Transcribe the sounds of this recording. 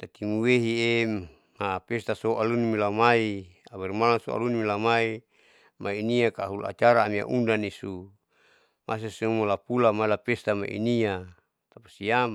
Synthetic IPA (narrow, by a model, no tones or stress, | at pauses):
t̪at̪imuweɦie | mapest̪asoʔalunimilamaiawɛrmalaŋso̰a̰lunimilamai | mainiakaɦula̰t͡ʃaɾaːmia̰ʔundanisu | mʔa̰s̬esuumolapulamailapest̪ama̰ʔḭnia | t̪apḁsiam